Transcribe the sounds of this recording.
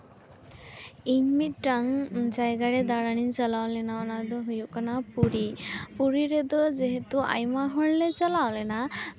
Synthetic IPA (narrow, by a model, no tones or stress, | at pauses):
iɲmit̚ːaŋd͡ʒajɡaɾɛd̪aɾanint͡ʃalawlɛnaɔnad̪ɔɦujuʔkanapuɾipuɾiɾɛd̪ɔzɛɦɛt̪uʔa̰jmaɦɔɭlɛt͡ʃalawlɛna